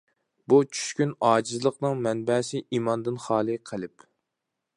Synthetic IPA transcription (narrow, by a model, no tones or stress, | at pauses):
but͡ʃʰy̥ʃkʲynɑːd͡ʒizlˠəqnɨŋmɛnbɛsɪʔimɑnd̪ɨnχɑːlˠɨqʰəlˠɪp